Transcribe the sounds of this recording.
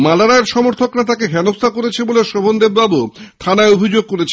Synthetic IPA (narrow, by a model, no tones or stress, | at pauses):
malaɽaeɾʃɔmoɾt̪ʰokɾat̪akeɦɛnost̪ʰakoɾet͡ɕʰeboleʃobʱond̪ebbabut̪ʰanaeobʱid͡ʑoɡ̚koɾet͡ɕʰe̥